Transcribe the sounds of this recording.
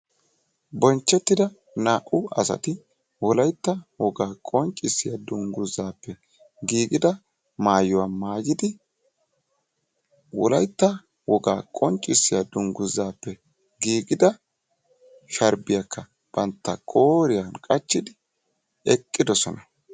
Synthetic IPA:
bɔnt͡ʃːɛt̪ːɪd̪ɐ | naːʔʊɐsɐ̰t̪ɪ | wɔlɐjt̪ːɐwɔɡaːkʼɔnt͡ʃʼːɪsːɪjad̪ʊŋɡʊzːaːpːɛ | ɡiːɡɪd̪ɐ | maːjɔwamaːɡɪd̪ɪ | wɔlɐjt̪ːɐ | wɔɡaːkʼɔnt͡ʃʼːɪsːɪjad̪ʊŋɡʊzːaːpːɛ | ɡiːɡɪd̪ɐ | ʃɐɾbɪjakʰːɐ | b̥ɐnt̪ːɐkʼoːɾɪjankʼɐt͡ʃːɪd̪ɪ | ɛkʼːɪd̪ɔsɔnɐ

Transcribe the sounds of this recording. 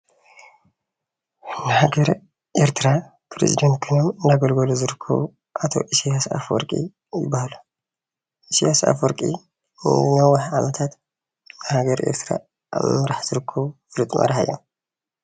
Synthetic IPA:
nɨhaɡɐɾ | ʔeɾt̪ʰɨɾa | pʰɾḛzḭd̪ɐnt̪̚kʰɨnomɨndaɡɐlɡɐluzɨɾɨkʰːɐ̰βu | ʔat̪ʰo̞̰ʔisijasa̰fwɔ̰ɾkʼḭ | jɪbːahalu | ʔisiasa̰fwɔɾkʼḭ | nɐwɐħʕamɐt̪ʰat̪ | nɨhaɡɐɾḛɾt̪ʰɾa̰ | ʔa̰β̰mɨɾaħz̥ɨɾɨkʰːɐβufɨlut̪ʼmɐ̰ɾħa̰jo̰

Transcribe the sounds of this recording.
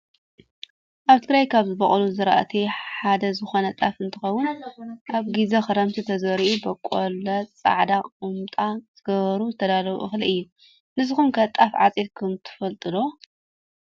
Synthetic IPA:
ʔaβt̪ʰɨɡɾajkʰaβzɨbɐχʼluzɨɾɐʔat̪ʰiħad̪ɐzɨxo̞nɐt̪ʼafɨnt̪ʰɨxɐwːʊnʔaβɡizɐxɨɾɐmt̪ʰit̪ʰɐzɐɾiʔubɐkʼːolɐt͡sʼa̰ʕd̪aqʼumt̪ʼaz̥ɨɡɐβɐɾuzɨt̪ʰɐd̪alɐβṵʔɨxliʔɨjːu | nɨzɨxumkʰɐt̪ʼafʕat͡sʼet̪kʰɨmt̪ʰɨ̥fɐlt̪ʼɨlo

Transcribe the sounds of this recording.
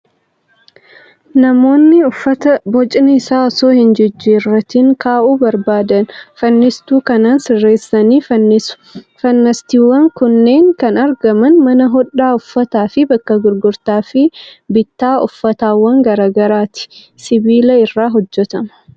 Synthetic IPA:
nɐmo̞ːnːɪʊfːɐt̪ɐbɔt͡ʃʼɪnɪɪsaːɔsoːhɪnd͡ʒɪd͡ʒːiːrːɐt̪ːɪŋkʰaːʔuːbɐɾbaːd̪ɐnfɐnːɪst̪uːkɐnaːnsɪrːeːsːɐniːʊ̥fɐnːɐst̪iːwːɐŋkʊnːe̞ːŋkɐnɐɾɡɐmɐnmɐnɐɦɔᶑːaːʊfːɐt̪aːfɪbɐkːɐɡʊɾɡʊɾt̪aːfɪbɪt̪ːaːʊfːɐt̪aːwːɐŋɡɐɾaːɡɐɾaːt̪ɪ̥ | sɪbiːlɐɪrːaːɦɔd͡ʒːɛt̪ɐmɐ̥

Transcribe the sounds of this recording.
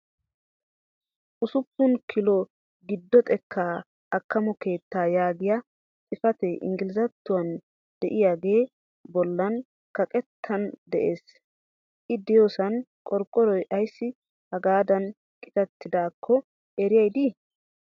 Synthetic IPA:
ʔʊsʊpːʊnkʰɪlɔ | ɡɪd̪ːɔt̪ʼɛkʰːaː | ʔɐkːɐmɔke̞ːt̪ːaːjaːɡɪjɐ | t̪ʼɪfɐt̪ɛʔɪ̰ŋɡɪlɪzɐt̪ːʊwɐn | d̪̥ɛʔɪjaːɡe̞ː | bɔlːɐn | kɐkʼɛt̪ʰːɐnd̪ɛʔeːs | ʔɪd̪ɛjoːsɐnkʼɔɾkʼːɔɾɔjʔɐjsːɪ | hɐɡaːd̪ɐn | kʼɪ̥t̪ɐt̪ːɪd̪aːkʰːɔ | ɛɾɪjɐjd̪i

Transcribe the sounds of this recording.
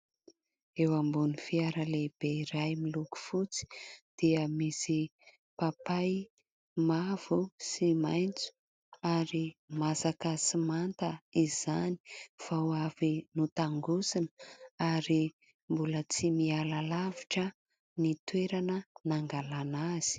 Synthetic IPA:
ewambunifiaɾəleb̥eiɾajmiluku̥fut͡si̥d̪̥iəmisi | papaj | mav̥usimajnt͡su̥ | aɾimasakasimant̪əiz̥ani̥v̥awavinut̪aŋɡusinəaɾi | mbulət͡simialalaviʈ͡ʂə | nit̪weɾanənaŋɡalanaz̥i̥

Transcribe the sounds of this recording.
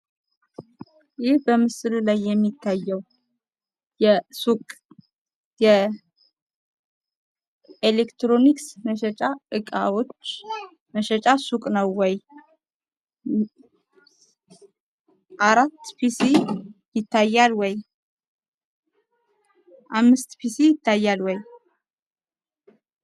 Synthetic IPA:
jɪhbəmɨsɨlulajːɛmːit̪ʰːajːəw | jɛsukʼ | jɛ | elekt̪ɾoniksməʃɛt͡ʃʼaɨkʼa̰wo̞t͡ʃː | məʃɛt͡ʃʼasukʼnəwːɔj | ʔaɾat̪ːpʰisijɪt̪ʰːajːalwɔj | ʔamːɨst̪pʰisijɪt̪ʰːajːalwɔj

